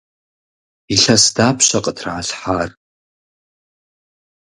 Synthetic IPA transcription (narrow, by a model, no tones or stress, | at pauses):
iɬɐsdaːpʰɕɐqʼətʰraːɬħaːr